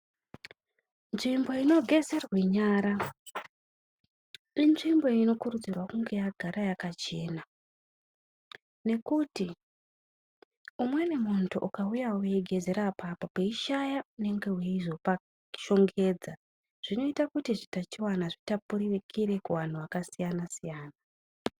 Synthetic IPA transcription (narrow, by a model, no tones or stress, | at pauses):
nʐimbo̞ino̞ɡʱe̞zerweɲaːɾa | inʐimbo̞ino̞kurud͡zirwakuŋɡe̞jaɡʱaɾajakat͡ʃe̞ːna | ne̞kuti | umwe̞ne̞muntʰuʔukaujauweɡʱe̞ze̞ɾapapopeiʃajaune̞ŋɡe̞weiʐopa | ʃo̞ŋɡe̞ːd͡za | ʐ̥ino̞itakutiʐitat͡ʃiwanaʐitapuɾiʋekʰiɾe̞kuwan̤uwakasijanasijaːna